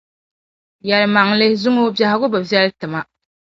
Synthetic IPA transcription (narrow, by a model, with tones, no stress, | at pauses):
jɛ˨lma˨ŋlɪ˦zʊ˦ŋo˦bja˨ha˨ɡʊ˦bɨ˨vjɛ˦ltɨ˨ma˦